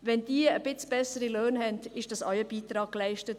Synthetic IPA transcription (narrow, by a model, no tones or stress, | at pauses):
ʋɛndiːəb̥ɪt͡sb̥ɛsəɾiløːnhɛndɪʃd̥ɑsɔʏəb̥iːtɾɑːk̚ːlæɪʃtət